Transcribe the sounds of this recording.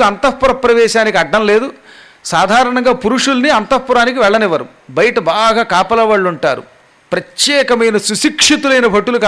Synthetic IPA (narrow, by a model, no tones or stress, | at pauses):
ɐnt̪ɐpːuɾɐpːɾɐʋɛːʃaːnikiɐɖːɐmle̞ːd̪u | saːd̪ʱaːɾɐɳɐŋɡaːpuɾuʂulniɐnt̪ɐpːuɾaːnikiʋɛɭːɐniʋɐɾṵ | bɐjiʈɐbaːɡaːkaːpɐlɐʋaːɭːuɳʈa̰ːɾṵ | pɾɐt̪jɛːkɐmɐjnɐsusikʂit̪ulɐjnɐbʱɐʈːulukaː